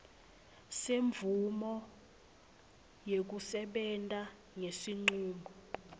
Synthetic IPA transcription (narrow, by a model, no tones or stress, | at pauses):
seɱvʱumɔ | jek̬usɛɓɛntʼa | ŋesiŋ͡ǀuːŋɡʱɔ